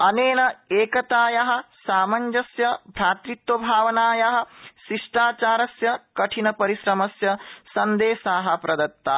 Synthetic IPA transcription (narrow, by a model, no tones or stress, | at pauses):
ɐneːnɐeːkɐt̪aːjɐɦɐ̆saːmɐɲd͡ʒɐsjɐbʱɾaːt̪ɾit̪wɐbʱaːʋɐnaːjɐɦɐ̆ʃiʂʈaːt͡ʃaːɾɐsjɐkɐʈʰinɐpɐɾiʃɾɐmɐsjɐsɐnd̪eːsaːɦɐ̆pɾɐd̪ɐt̪ːaː